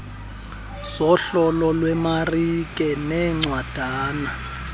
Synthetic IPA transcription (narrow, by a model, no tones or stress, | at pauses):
sɔɬɔlɔlwɛmarik̬ʼɛnɛŋ͡ǀwad̥ʱaːna